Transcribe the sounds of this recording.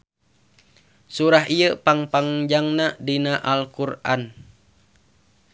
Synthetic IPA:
suɾaɦijəpaŋpaŋd͡ʒaŋnadinaʔalkuran

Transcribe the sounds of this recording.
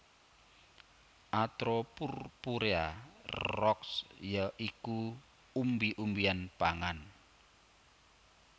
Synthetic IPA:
ʔat̪ɾɔpurpuɾearɔksjəʔiku | umbiʔumbianpaŋan

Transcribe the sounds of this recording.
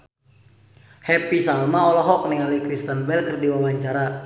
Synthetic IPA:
hɛpisalmaɔlɔɦɔk̚niŋalikɾist̪ənbɛlkərdiwawaɲt͡ʃaɾa

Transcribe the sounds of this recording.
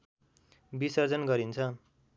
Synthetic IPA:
bisʌrd͡zʌnɡʌɾint͡sʰʌ

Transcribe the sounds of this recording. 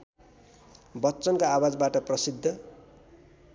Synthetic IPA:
bʌtːt͡sʌnkaːwad͡zbaʈʌprʌsid̪ʱːʌ

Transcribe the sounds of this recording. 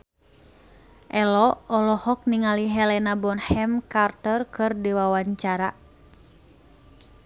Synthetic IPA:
ʔɛlɔɔlɔhɔk̚niŋaliɦɛlɛnabɔnhɛmkart̪ərkɨrdiwawaɲt͡ʃaɾa

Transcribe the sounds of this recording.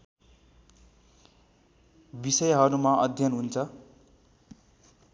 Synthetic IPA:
bisʌjɦʌɾumaʔʌd̪ʱjʌnɦunt͡sʰʌ

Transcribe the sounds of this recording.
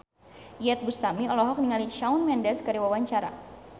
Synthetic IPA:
jɛt̪̚bust̪amiɔlɔɦɔk̚niŋalit͡ʃaunmɛndɛskəɾiwawaɲt͡ʃaɾa̰

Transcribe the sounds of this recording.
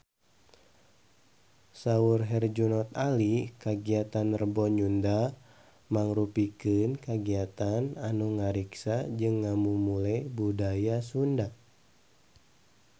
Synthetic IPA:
saurɦɛrd͡ʒunɔt̪alikaɡiat̪anərbɔɲunda | maŋɾupikɨnkaɡiat̪ananuŋaɾiksad͡ʒɨŋːamumulabudajasunda

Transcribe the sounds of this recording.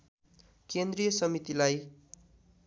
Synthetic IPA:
kend̪rijʌsʌmit̪ilaj

